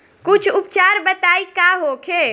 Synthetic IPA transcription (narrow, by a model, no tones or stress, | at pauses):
kʊt͡ʃʰʊp̚t͡ʃaɾbət̪aːikaɦokʰe